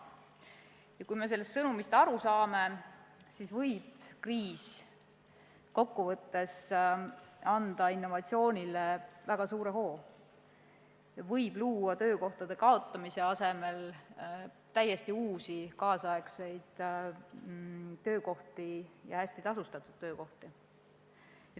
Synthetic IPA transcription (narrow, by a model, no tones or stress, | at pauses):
jɑkujme̞se̞lːest̪ːsɤnumist̪ɑɾusɑːme̞sisvɤjb̥kriːs | ko̞kːuvɤt̪ːe̞s | ɑnd̪̥ɑinːo̞vɑt̪sio̞ːnʲilevæɡ̥ɑsuːɾe̞ɦo̞ː | vɤjb̥luːɑt̪ø̞ːko̞ht̪ɑd̪̥e̞kɑo̞t̪ˑːɑmise̞ɑse̞me̞l | t̪æjːe̞st̪iuːsikɑːsɑe̞ksejd̪̥ | t̪ø̞ːko̞ht̪ijɑ̰hæsʲt̪it̪ɑsust̪ɑt̪ːˑud̪̥tːø̞ːko̞ht̪i